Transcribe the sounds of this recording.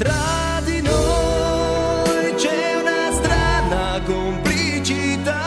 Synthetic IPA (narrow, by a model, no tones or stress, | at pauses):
t̪ɾa | d̪inɔ | jt͡ʃɛ | unast̪ɾana | kompli | t͡ʃi | t̪a